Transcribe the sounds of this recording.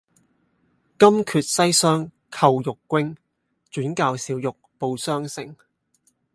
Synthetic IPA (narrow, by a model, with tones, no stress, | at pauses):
kɐ˥mkʰyː˨t̚sɐ˥jsœː˥ŋ | kʰɐ˧wjʊ˨kːʷwɪ˥ŋ | t͡ʃyː˨˥nkaː˧wsiː˨˧wjʊ˨k̚po˨˧wsœː˥ŋsɪ̰˨˩ŋ